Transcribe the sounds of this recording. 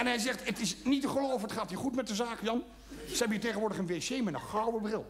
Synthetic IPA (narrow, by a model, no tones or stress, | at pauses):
ɛnɦɛjzɛχtətɪsnitəχəlowvəətχaːtɦiːɹχutmɛt̚dəzaːkjɑn | zəɦɛbəniːteχənʋʊːɹdəχənʋesejmɛtənχɑwəbrɪlˠ